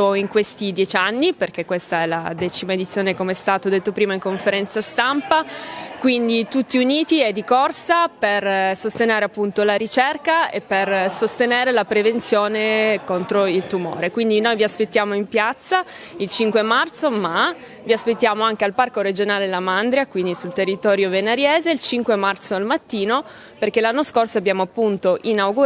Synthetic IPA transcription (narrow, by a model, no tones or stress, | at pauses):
oiŋkwest̪id̪jɛt͡ʃanːiperk̟ekːwest̪aɛla̰d̪ɛt͡ʃimaed̪it̪sːjoːnekomeɛst̪aːt̪od̪et̪ːopɾiːmaiŋkoɱfeɾɛnt̪sast̪ampakwind̪it̪ut̪ːiuniːt̪iɛd̪ːikorsapersost̪eneːɾeapːunt̪olaɾit͡ʃɛrkaḛpːersost̪eneːɾelapɾevent̪sjoːnekont̪ɾoilt̪umo̰ːɾekwind̪inojviaspet̪ːjaːmoimpjat̪sːa | ilt͡ʃiŋkwemart̪soma | viaspet̪ːjaːmoaŋk̟ealparkoɾed͡ʒonaːlelamand̪ɾjakwind̪isult̪erːit̪ɔːɾjovenaɾjɛːzeilt͡ʃiŋkwemart̪soalmat̪ːiːno | perkelanːoskorsoabjaːmoapːunt̪oʔinawɡu